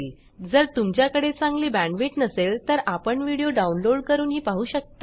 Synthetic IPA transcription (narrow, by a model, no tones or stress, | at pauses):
l | d͡zəɾt̪umt͡ɕjakəɽet͡sãŋɡliːbæ̃ɳʋeʈnəselt̪əɾapəɳʋiɽijoɖaunloɽkəɾuːnɦiːpaɦuːɕək̚t̪a